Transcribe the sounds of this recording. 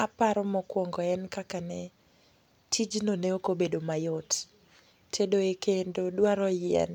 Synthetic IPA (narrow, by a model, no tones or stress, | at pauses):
apaɾɔmɔkwɔŋɡɔɛnkakanɛ | tʰid͡ʒnoneokobedomajɔt | tʰedoekendodwaɾɔjɪɛ̰n